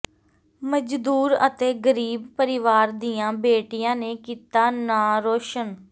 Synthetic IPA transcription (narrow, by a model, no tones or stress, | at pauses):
məd͡ʒd̪uːɾə̰t̪eːɡəɾiːbpəɾɪʋaːɾd̪iːjãːbeːʈɪjãːneːkiːt̪aːnaːɾoːʃən